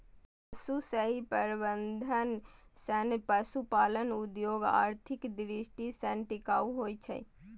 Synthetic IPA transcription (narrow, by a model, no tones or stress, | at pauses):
pəsusəɦipəɾbənd̪ʱənsənpəsupalənud̪joɡa̰ːɾt̪ʰikd̪ɾisʈisənʈikaːuɦojt͡ʃʰɛ̰